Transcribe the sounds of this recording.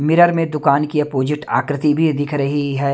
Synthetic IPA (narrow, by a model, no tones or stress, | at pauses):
mɪɾəɾmẽd̪ʊkaːnkiɐpoːd͡ʒɪʈa̰ːkɾɪt̪ibʱid̪ɪkʰɾɐɦiɦɛː